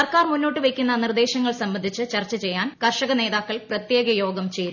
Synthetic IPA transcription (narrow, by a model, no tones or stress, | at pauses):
ɐrkaːrmunːo̞ːʈːɨʋekʲːunːɐnird̪e̞ːɕɐŋːɐɭsɐmbɐnd̪ʱit͡ɕːɨt͡ɕɐrt͡ɕːɐt͡ɕe̞jːaːnkɐrʂɐɣɐne̞ːðaːkːɐɭprɐt̪je̞ːɡɐjo̞ːɡɐmt͡ɕeːɾ